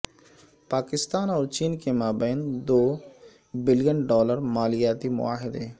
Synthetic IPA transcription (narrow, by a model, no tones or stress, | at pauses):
paːkɪst̪aːnɔːɾt͡ʃiːnkemaːbɛːnd̪oː | bɪlɪjənɖɔːləɾmaːlɪjaːt̪imʊ̰aːɦɪd̪e